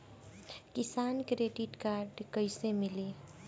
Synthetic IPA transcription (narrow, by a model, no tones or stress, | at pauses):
kisankɾeɖiʈkaɾɖkəɪsemili